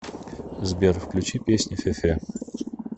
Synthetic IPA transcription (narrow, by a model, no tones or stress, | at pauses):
zbʲerfklʲʉt͡ɕipʲesʲnʲɪfʲefʲe